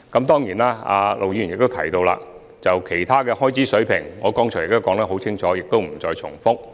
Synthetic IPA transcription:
kɐ˨˦˥mt̪ɔː˥ŋjiː˨˩naː˥a̰ː˨˧lʔo˨wji˧˥y˨˩jɪ˨k̚t̪o˥wt̪ʰɐ̰˨˩jt̪o˧wla̰ː˧ | t͡sɐ˨wkʰe˨˩jt̪ʰaː˥kɛː˧hɔː˥˩jt͡sʰiː˨˥sɵ˨˥ɥpʰɪ˨˩ŋːŋɔː˨˧kɔː˥ŋʰɔː˨˩jɪ˨˩kt̪o˥kɔː˨˥ŋlaː˥ɦo˨˥wt͡sʰɪ˥ŋt͡ʃʰɔː˨˥jɪ˨k̚t̪o˥wm̩˨˩t͡sɔː˧jt͡ʃʰt͡sʰʊ̰˨˩ŋfʊ˥k̚

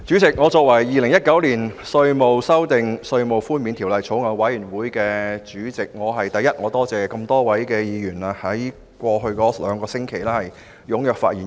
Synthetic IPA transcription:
t͡ʃyː˨˥t͡sɪ˨k̚ŋɔ˨˧t͡sɔː˧k̚wɐ˨˩jːiː˨˧lɪ˨˩ŋjɐ˥t̚kɐ˨˥wliː˨˩nsɵ˧ɥmo˨˧wsɐ˥wt̪ɪ˨ŋsɵ˧ɥmo˨˩wfuː˥nmiː˨˧nt̪ʰi˨˩wlɐ˨jt͡sʰo˨˥wŋɐ˨˧wwɐ˨˥jyː˨˩nwuː˨˥jkɛː˧t͡syː˨˥t͡sɪ˨k̚ŋɔː˨˧ɦɐ˨jt̪ɐ˨jːɐ˥t̚ŋɔː˨˧t̪ɔː˥t͡sɛː˨kɐ˧mt̪ɔː˥wɐ˨˥jkɛː˧jiː˨˧jyː˨˩naː˧hɐ˨˥j | kʷɔː˧ɦɵ˧ɥkɔː˨˥lœ̰ː˨˧ŋkɔː˧sɪ˥ŋkʰe˨˩jlɛː˥hɐ˨˩j | jʊ˨˥ŋjœː˨k̚fa̰ː˧t̚jiː˨˩

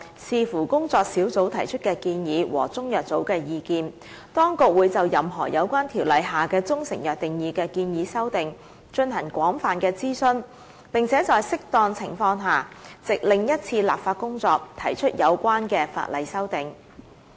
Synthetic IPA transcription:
siː˨˧fuː˨˩kʊ˥ŋt͡sɔː˧k̚siː˨˥wt͡so˨˥wt̪ʰɐ˨˩jt͡ʃʰɵ˥t̚kɛː˧kiː˧njiː˨˥wɔ̰ː˨˩t͡sʊ˥ŋjœː˨k̚t͡so˨˥wkɛː˧jiː˧kiː˧n | t̪ɔː˥ŋkʊ˨k̚wuː˨˧jt͡sɐ˨wjɐ˨mɦɔ̰ː˨˩jɐ̰˨˧wkʷaː˥nt̪ʰiː˨˩wlɐ˨˧jɦaː˨˩kɛː˧t͡sʊ˥ŋsɪ˨˩ŋjœː˨k̚t̪ɪ˨˩ŋjiː˨˧kɛː˧kiː˧njiː˨˥sɐ˥wt̪ɪ˨ŋ | t͡ʃɵ˧nɦɐ˨˩ŋkʷɔː˨˥ŋfaː˨nkɛː˧t͡siː˥sɵ˥n | pɪ˨ŋt͡sʰɛː˨˥t͡sɔː˨˧jsɪ˥k̚t̪ɔː˧ŋt͡sʰɪ̰˨˩ŋfɔː˧ŋɦaː˨˩t͡sɪ˨k̚lɪ˨ŋjɐ˥t̚t͡sʰiː˧la̰ː˨p̚faː˧t̚kʊ˥ŋt͡sɔː˧k̚t̪ʰɐ˨˩jt͡ʃʰɵ˥t̚jɐ˨˧wkʷwaː˥nkɛː˧fa̰ː˧t̚lɐ˨jsɐ˥wt̪ɪ˨ŋ

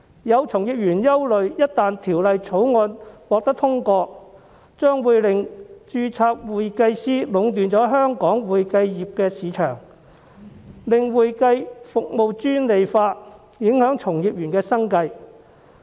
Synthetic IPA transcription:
jɐ˨˧wt͡sʰʊ˨˩ŋjiː˨p̚jyː˨˩njɐ˥wlɵ˨ɥjɐ˥t̚t̪aː˨nt̪ʰiː˨˩wlɐ˨jt͡sʰo˨˥wŋɔː˧nwɔː˧k̚t̪ɐ˥k̚t̪ʰʊ˥ŋkɔː˧ | t͡ʃœː˥ŋwuː˨jlɪ˨˩ŋt͡ʃyː˧t͡sʰaː˧k̚wuː˨jkɐ˧jsiː˥lʊ˨˧˥ŋt̪yː˨nt͡sɔː˨˥ɦœː˥ŋkɔː˨˥ŋwuː˨jkɐ˧jjiː˨p̚kɛː˧siː˨˥t͡ʃʰœ̰ː˨˩ŋ | lɪ˨ŋwuː˨jkɐ˧jfʊ˨k̚mo˨˧wt͡ʃyː˥nle˨jfaː˧ | jɪ˨˥ŋhœː˨˥ŋt͡ʃʰʊ˨˩ŋjiː˨p̚jyː˨˩nkɛː˧sɐ˥ŋkɐ˧j

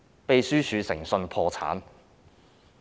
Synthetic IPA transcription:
pe˨˧jsyː˥t͡ʃʰyː˨˧sɪ̰˨˩ŋsɵ˧npʰɔː˧t͡sʰa̰ː˨˥n

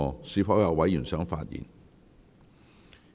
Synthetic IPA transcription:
ɔː˨siː˧˥pʰfɐ˨˥wjɐ˨˧wɐ˨˥jyː˨˩nsœː˨˥ŋfaː˧t̚jḭː˨˩n

